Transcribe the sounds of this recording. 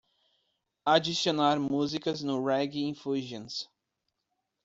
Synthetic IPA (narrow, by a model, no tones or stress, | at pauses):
ad͡ʒisionaɾmuzikɐznʊɾɛɡiĩfuʒẽns